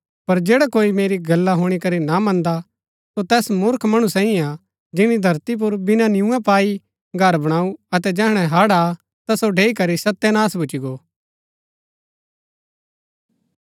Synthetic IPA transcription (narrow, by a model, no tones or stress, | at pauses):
pɐɾd͡ʒeːɽakoːimeːɾiɡɐlːaɦoːɽ̃ikɐɾinamɐ̃nd̪a | sot̪ɛːsmʊɾkʰmɐɽ̃ũsãːĩa | d͡ʒɪɽ̃id̪ʱɐɾt̪ip̬ʊɾbɪnãnɪjũɛ̃paːi | ɡʱɐɾbɐɽ̃aːuɐt̪ɛd͡ʒɛːɦɽ̃ɛ̃ɦaːɽa | t̪asoɖʱeːikɐɾisɐt̪ːɛnaːsbʊt͡ʃiɡoː